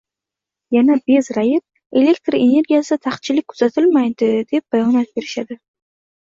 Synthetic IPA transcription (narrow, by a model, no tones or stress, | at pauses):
janabe̞zɾajɪp̚ | e̞le̞kt̪ɾe̞ne̞ɾɡʲijasɪd̪at̪ʰaχt̪̚t͡ʃʰɪlɪkʲkʰʊ̥z̥at̪ʰɪlmajd̪ɪd̪e̞p̚b̥ajɒnat̪̚be̞ɾɪʃad̪ɪ